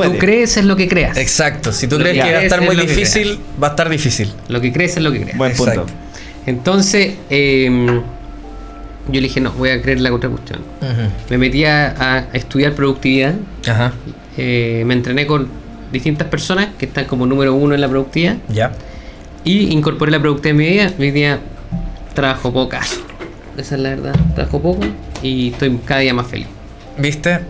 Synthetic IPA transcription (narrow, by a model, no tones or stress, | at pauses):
ukɾeːsezlo̞kekɾeaseksak̚t̪osit̪ukɾeseβaet̪aɾmujðifisilbast̪aɾðifisil | lo̞kekɾeːselokekɾḛapusao̰ | ent̪o̞nsesem | ɟ͡ʝoðixeno̰βo̞jakɾeeɾlakontɾafṵst̪jo̰n̩ | me̞me̞t̪iaːest̪uðjaɾpɾoðuk̚t̪iβiðaaɦa | emeːnt̪ɾeneko̞n | d̪iht̪int̪aspe̞ɾso̞naskeht̪aŋkomo̞nume̞ɾounoenlapɾouk̚t̪iiðaja | iiŋko̞ɾpoɾelap̬ɾoðuk̚t̪iðamːiβiðamiðia | t̪ɾaβaxopokaso̥ | esaelaβeɾða̰t̪ɾa̰βa̰xopokoieht̪o̞jkaðaðiamasfḛlḭs | bist̪e